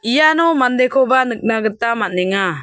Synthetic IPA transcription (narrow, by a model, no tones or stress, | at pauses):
ijanɔmand̪ekʰɔbanɯk̚naɡət̪amanɛŋa